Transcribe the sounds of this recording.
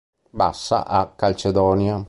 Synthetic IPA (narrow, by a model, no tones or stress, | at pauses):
ba̰sːa̰ʔakːalt͡ʃed̪ɔːnja